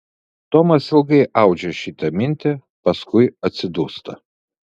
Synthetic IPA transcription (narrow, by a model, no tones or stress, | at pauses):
t̪ɔmɐsɪlˠɡɐɪʔɑˑʊd͡ʒʲɛʃʲɪt̪ɐmʲɪnʲt̪ʲɛ | pɐskʊɪɐt̪ʲsʲɪd̪uːst̪ɐ